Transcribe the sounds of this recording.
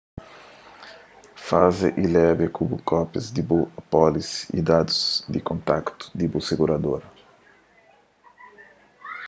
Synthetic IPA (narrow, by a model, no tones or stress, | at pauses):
fazḛʔilɛbekubukɔpjɐzd̪ibuapɔlisḭd̪ad̪uz̥d̪ikõnt̪akt̪u̥d̪ibuseɡuɾad̪oɾɐ